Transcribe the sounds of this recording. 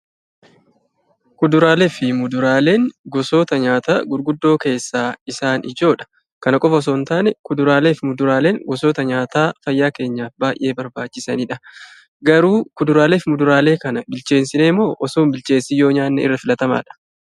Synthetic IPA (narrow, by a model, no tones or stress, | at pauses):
kʊd̪ʊɾaːlefɪmʊd̪ʊɾaːle̞ːŋɡɔso̞ːt̪ɐɲaːt̪aːɡʊɾɡʊd̪ːo̞ːke̞ːsːaːɪsaːnɪd͡ʒo̞ːᶑɐ̥ | kɐnɐkʼɔfɐɔs̬oːnt̪aːnɛkʊd̪ʊɾaːle̞ːfɪmʊd̪ʊɾaːle̞ːŋɡɔsoːt̪ɐɲaːt̪aːfɐjːaːke̞ːɲːaːfbaːjʔe̞ːbɐɾbaːt͡ʃːɪsɐniːᶑɐ | ɡɐɾuːkʊd̪ʊɾaːle̞ːfɪmʊd̪ʊɾaːle̞ːkɐnɐbɪlt͡ʃe̞ːnsɪne̞ːmːo̞ːʔɔsoːmbɪt͡ʃe̞ːsɪjoːɲaːnːɛ̰ɪ̰rːɐfɪlɐt̪ɐma̰ːᶑɐ̥